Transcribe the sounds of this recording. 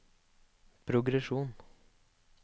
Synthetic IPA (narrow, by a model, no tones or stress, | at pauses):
pʰɾʊɡɾɛʃuːn